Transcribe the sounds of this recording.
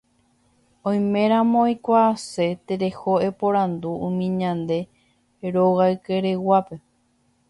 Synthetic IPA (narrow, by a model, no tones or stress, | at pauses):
õj̃mẽ̞ɾ̃ãmõjkʷaːse̞t̪eɾe̞hoe̞poɾãnd̪ũːmĩɲãnd̪e̞ | ɾoɣaɨkeɾewape̞